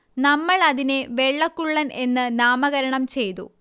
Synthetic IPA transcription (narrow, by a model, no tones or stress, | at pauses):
nɐmːɐɭɐðineʋe̞ɭːɐkːuɭːɐnʔe̞nːɨnaːmɐɣɐɾɐɳɐmt͡ɕe̞jt̪ṵ